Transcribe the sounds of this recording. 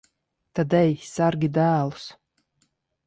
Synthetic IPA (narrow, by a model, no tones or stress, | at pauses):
t̪ad̪ɛjsaɾɡʲid̪æːlˠu̥s